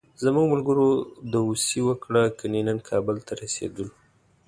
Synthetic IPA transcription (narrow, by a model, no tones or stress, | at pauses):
zəmuɡmʊlɡəɾod̪əusiwəkɽakənenənkʰɑbəlt̪ʰaɾasḛd̪ul